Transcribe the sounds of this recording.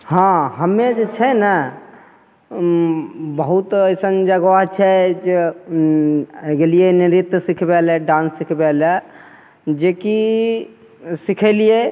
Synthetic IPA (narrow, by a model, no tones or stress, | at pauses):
hãɦəmed͡ʒet͡ʃʰɛnə | bəɦut̪əjsənd͡ʒaɡʋaɦt͡ʃʰɛd͡ʒe | ɡelijeniɾit̪sikʰbɛlɛɖãnsːikʰbɛlɛ | d͡ʒeki | sikʰɛlie